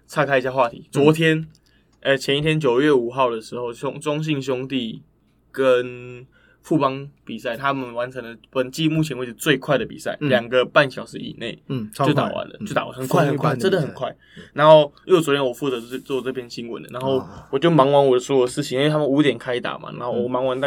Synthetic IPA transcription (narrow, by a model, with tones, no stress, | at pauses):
t͡sʰa˥˧kʰa˥ɪi˧˩ɕja˥˧xwa˥˩t̪ʰḭ˧˦t͡swɔ˧˦t̪ʰjɛ˥n | ʔə˨˩t͡ɕʰjɛ˧ni˥˩t̪ʰjɛ˦˥nt͡ɕjo˨˩ʊɥɛ˥˩u˨˩xɑ˥˩ʊd̪ə˩ʂɻ̩˧˥xo˥˩ʊʊ˥ŋʈ͡ʂʊ˦˥ŋɕ̬i˥˧ŋɕ̬jʊ˥ŋt̪i˥˩ | kə˦n | fu˥˩pɑ˦ŋpi˨˩sa˥˩ɪt̪ʰa˦mə˨nwa˧˦nt͡sʰə˧˥ŋlə˨pə˨˩nt͡ɕi˥˧mu˥˩t͡ɕʰɛ˧nwe˥˧˩ʂt͡swe˥˧ɪkʰwa˥˩ɪd̪ə˩pḭ˨˩sa̰˥˩ɪljɑ˨˩ŋɡə˦pa˥˩nɕjɑ˨˩ʊʂɻ̩˧˦ḭ˨˩ne˥˩ɪt͡ɕo˥˩ʊt̪a̰˨˩wa̰˧˦nlə̰˦t͡ɕo˥˩t̪a˨˩wa̰˨˦˥xə˨nkʰwa˥˩ɪxə˨kʰwa˥˩t͡sə˦˥nd̪ə˨˩xə˨˩kʰwa˥˩ɪ | na˧˥nxo˥˧ʊjo˥˩t͡sɔ˨˧˥tʰjɛ˥nwɔ˨˩fu˥˩t͡sɤ˧˦˥t͡swɔ˥˧t͡sɤ˥˩pʰjɛ˥nɕi˥ŋwə̰˨˦nd̪ə˨˩na˧˦nxo˥˩ʊwɔ˨˩t͡ɕjo˥˩ʊmɑ˧˥ŋwa˧˥nwɔ˨˩˦swɔ˥ə˨ʂɻ̩˥˩t͡ɕʰi˨˦˨t̪ʰa˥mə˨nu˧˥t̪jɛ˨˩nkʰa˥ɪt̪a̰˨˩ma̰˨na˧˦nxo˥˩ʊwɔ˨˩mɑ˧˥ŋwa˧˦nt̪a˥˧